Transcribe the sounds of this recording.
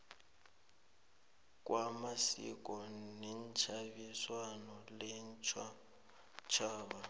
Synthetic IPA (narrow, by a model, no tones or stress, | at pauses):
k̬ʼwʔamasḭk̬ʼɔnɛnt͡ʃʰaβiswanɔlɛnt͡ʃʰa | t͡ʃʰaːβa